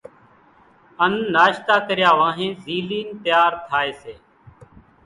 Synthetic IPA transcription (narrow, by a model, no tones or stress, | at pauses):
ənːaːʃt̪aːkəɾɪjaːʋãːɦẽːziːliːnt̪jaːɾt̪ʰaːeːseː